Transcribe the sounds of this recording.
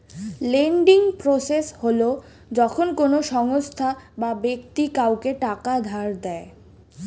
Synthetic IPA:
leɳɖiŋpɾosesholo | d͡ʑɔkʰonkonoʃɔŋost̪ʰababekt̪ikawkeʈakad̪ʱaɾd̪ɛe

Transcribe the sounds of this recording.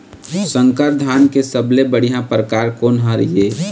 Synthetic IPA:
sə̃ŋkəɾd̪ʱaːnkesəblebəɽ̤ijãpɾəkaːɾkoːnɦaɾje

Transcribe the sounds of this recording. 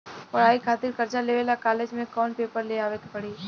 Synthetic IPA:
ɔɽaːikʰaːt̪ɪɾkɐɾd͡ʒaleːʋeːlakaːleːd͡ʒmẽkɔːnpeːpəɾleaːʋeːk̪pɐɽiː

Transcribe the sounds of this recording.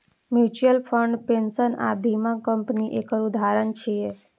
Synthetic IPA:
mjut͡ʃuəlpʰəɳɖpensəna̰bʱimãkə̃mpniʔekəɾud̪ʱaɾənt͡ʃʰie

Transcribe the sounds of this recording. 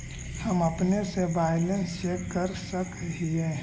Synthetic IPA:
həməpnesebaːjlə̃nst͡ʃeːkkəɾsəkɦie

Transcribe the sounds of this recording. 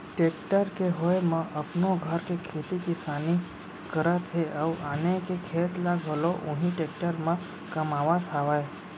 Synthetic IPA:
ʈeːkʈəɾkeɦojmãʔəpnoɡʱəɾkekʰet̪ikɪsaːni | kəɾət̪ɦeʔəwʔaːnekekʰeːt̪laɡʱɦəloʔʊ̃ɦĩʈek̚ʈəɾmã | kəmaːʋat̪ʰaʋaj

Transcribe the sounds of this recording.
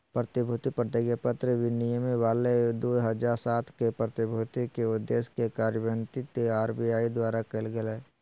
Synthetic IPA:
pɾət̪ɪbʱut̪ipɾət̪eɡjepət̪ɾəʋɪnijəmiʋaːled̪oːɦəd͡ʒaːɾsaːt̪ʰkepɾət̪ɪbʱut̪ikeʊd̪ːeːskekaːɾjəʋə̃nt̪it̪aːɾbijaːid̪waːɾakelɡele

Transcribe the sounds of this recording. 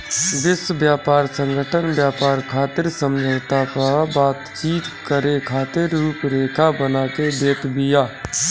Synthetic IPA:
ʋɪsbjaːpaːɾsə̃ŋɡʱəʈʰənbjaːpaːɾkʰaːt̪ɪɾsəmd͡ʒʱət̪apaabaːt̪t͡ʃiːt̪kəɾekʰaːt̪ɪɾuːpɾeːkʰabənaːkeb̪eːt̪bɪjaː

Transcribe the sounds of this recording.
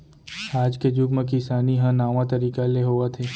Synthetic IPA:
aːd͡ʒked͡ʒʊɡmẽkɪsaːniɦãnaːʋãt̪ɐɾiːkaleɦoːat̪ʰeː

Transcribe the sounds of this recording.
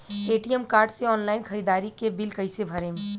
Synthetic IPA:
eːʈijɛmkaːɾɖseɔːnlaːɪnkɐɾiːd̪aːɾikebɪlkɐɪsebʱɐɾẽːme

